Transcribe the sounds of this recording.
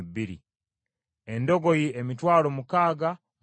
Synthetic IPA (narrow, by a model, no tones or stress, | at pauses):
biɾḭ | endo̞ɡo̞jiemitwaːlomukaːɡa